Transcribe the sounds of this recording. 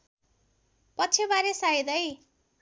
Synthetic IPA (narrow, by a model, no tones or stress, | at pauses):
pʌtːt͡sʰebaɾesaid̪ʌj